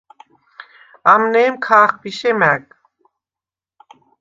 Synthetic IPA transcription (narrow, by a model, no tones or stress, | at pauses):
amnɛːmkʰaːχbiʃɛmɛk